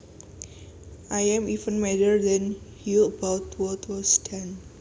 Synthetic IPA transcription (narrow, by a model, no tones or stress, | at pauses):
ʔajɛ̃mifə̃nmɛdərdɛ̃nhuəbawt̪wɔt̪wɔstʰɛ̃n